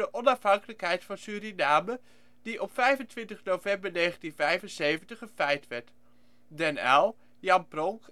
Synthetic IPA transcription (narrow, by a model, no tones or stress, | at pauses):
əʔɔnɑfɦɑŋkələkɦɛjtfɑnsyːɾinaːmə | d̥iʔɔpfɛjvəntʋɪntəχnowvɛmbəɹneːχəntinvɛjfənsejvəntəχənfɛjtʋɛɹt | dɛnɛ̰lˠ | jɑmprɔŋk